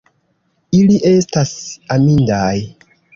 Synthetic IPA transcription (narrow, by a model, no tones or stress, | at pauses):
iliʔe̞stasamindaj